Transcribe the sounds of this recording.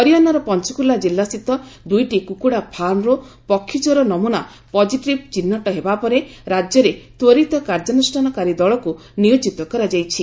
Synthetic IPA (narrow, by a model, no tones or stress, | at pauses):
ɔɾijɔnɔɾɔpɔnt͡ʃɔkulad͡ʒilːast̪it̪ɔd̪ujʈikukuɽapʰanɾo | pɔkʰːit͡ʃɔɾɔnɔmuna | pɔd͡ʒiʈɾib̚t͡ʃinːɔʈɔɦebapɔɾeɾad͡ʒjɔɾet̪woɾit̪ɔkaɾd͡ʒɔnusʈʰanɔkaɾid̪ɔɭɔku | nijod͡ʒit̪ɔkɔɾad͡ʒajt͡ʃʰi